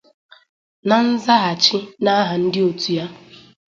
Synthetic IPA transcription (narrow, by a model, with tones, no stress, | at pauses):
na˨n̩˦za˦ɦa˨t͡ʃɪ˦na˦ɦa˨n̩˦dɪ˦o˨tu˨ja˦